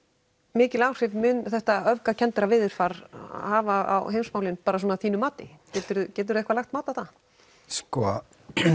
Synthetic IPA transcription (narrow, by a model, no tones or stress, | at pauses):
mɪːcɪlaːwr̥ɪvmʏnθɛht̪aœvkacʰɛnt̪ɪɾavɪːðɪɾ̥faɾhaːvaa̰wɦeːjmsmawlɪnpaːɾas̬ɔːnaθiːnʏmaːt̪ɪ̰cɛːt̪ʏɾʏcɛːt̪ʏɾðɛhkvalaxt̪maːt̪awθa | skɔ